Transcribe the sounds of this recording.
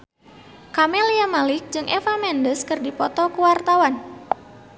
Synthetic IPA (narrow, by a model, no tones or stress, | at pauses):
kameliamalɪk̚d͡ʒɨŋʔɛfamɛndəskɨrdipɔt̪ɔkuwart̪awan